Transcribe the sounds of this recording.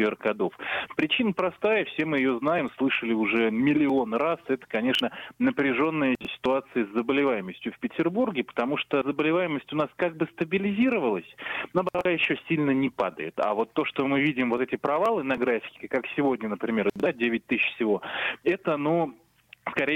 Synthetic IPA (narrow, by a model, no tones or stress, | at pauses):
eɾkɡɐd̪o̞fpɾʲɪt͡ɕinəpɾɐst̪ajəfsʲe̞mɨjɪjo̞znajɪmslˠɨʂəlʲɪʊʐɛmʲɪlʲɪo̞nrasɛt̪ə̥kɐnʲe̞ʂnənəpɾʲɪʐo̞nːɨjəsʲɪ̥t̪ʊat̪sɨəzːəbəlʲɪvajɪməsʲtʲjʊfpʲɪtʲɪrburɡʲɪpə̥t̪ɐmuʂt̪ozəbəlʲɪvajɪməsʲtʲʊnaskaɡ̚bɨst̪əbʲɪlʲɪzʲiɾəvəlˠəsʲnabɐɾajɪɕːɵsʲilʲnənʲɪpad̪ə̰jɪ̰t̪a̰vo̞t̪ːo̞ʂt̪o̞mɨvʲidʲɪmvot̪ɛtʲɪpɾɐvalˠɨnɐɡɾafʲɪ̥kʲɪ̥ɪkaksʲɪvo̞dʲnʲənəpɾʲɪmʲe̞rd̪adʲevʲɪt̚ʲt̪ɨɕfsʲɪvo̞ɛt̪ənu | skɐɾʲe